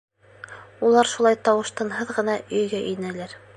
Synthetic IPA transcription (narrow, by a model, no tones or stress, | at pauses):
ulˠɑɾʃulˠɑjt̪ɑwɤ̆ʃt̪ɑnɦɤðʁɤ̆nɑʔɵ̆jɡæʔɵ̆nælæɾ